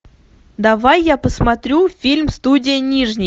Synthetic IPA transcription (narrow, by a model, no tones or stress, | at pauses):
d̪avajːapəsmat̪ɾʲufʲilʲmst̪udʲɪjənʲiʐnʲɪj